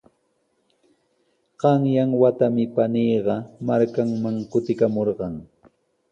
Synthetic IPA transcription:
ɢ̥ɑŋjaŋwat̪amɪpaniːɢɑmaɾkaŋmaŋkʊt̪ɪkamoɾɢɑŋ

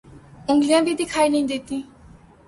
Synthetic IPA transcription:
ʊ̃ŋɡlijãbid̪ikʰaːjnəĩd̪et̪ĩ

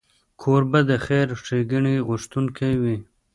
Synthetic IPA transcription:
kʰoɾbad̪əxeɾʂeɡiɳiɣʊʂt̪unkʰajwi

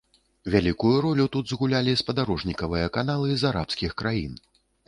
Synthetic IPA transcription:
vʲalʲikujuɾɔlʲut̪ud̪zɣulʲalʲispɐd̪aɾɔʐnʲikɐvɨjɐkanalˠɨzaɾa̰pskʲixkɾajḭn

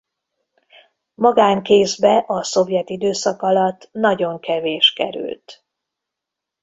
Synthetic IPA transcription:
mɒɡaːŋkeːzbɛʔɒso̞vjɛt̪id̪øːsɒkɒlɒt̪ːnɒɟo̞ŋkɛveːʃkɛ̰ɾy̰lt̪

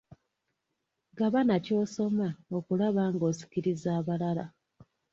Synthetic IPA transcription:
ɡaβanaco̞ːso̞mao̞kulaβaːŋɡo̞ːsi̥ciɾizaːβalala̰

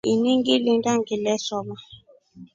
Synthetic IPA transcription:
iniŋɡilindaŋɡilɛsɔma

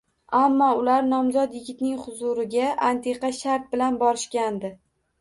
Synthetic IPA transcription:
amːɒʊlaɾnɒmzɒt̪jɪɡʲɪt̪nɪŋχʊzʊɾɪɡʲaʔant̪ʰe̞qɑʃaɾt̪̚bɪlanbɒɾɪʃkʲand̪ɪ

